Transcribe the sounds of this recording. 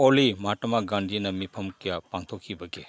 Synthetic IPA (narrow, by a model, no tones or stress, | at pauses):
olimatɐmaɡandʱinɐmipʰɐmkijapaŋtʰokʰːibɐɡe